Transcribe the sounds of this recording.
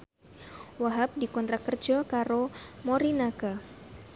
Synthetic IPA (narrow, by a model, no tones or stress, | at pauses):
waɦap̚dikɔnt̪ɾakərd͡ʒɔkaɾomɔɾinaka